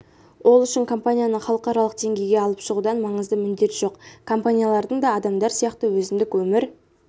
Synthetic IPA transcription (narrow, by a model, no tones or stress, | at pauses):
wʔo̞lˠʏʃɪŋkʰo̞mpanʲijanəχɑlˠəqɑɾɑlˠəq̚d̪e̞ŋɡʲe̞jɡʲeɑlˠəpʃəʁud̪ɑnmɑɴəzd̪əmʏnd̪e̞t̪ʒ̥o̞qkʰo̞mpanʲijalˠɑɾd̪əɴd̪ɑːd̪ɑmd̪ɑɾsijɑqt̪əwɵzɪnd̪ɪkwɵmɪɾ